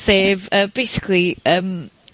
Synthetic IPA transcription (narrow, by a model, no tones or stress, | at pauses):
seːvəːb̥ejsɪ̥kʰliəːm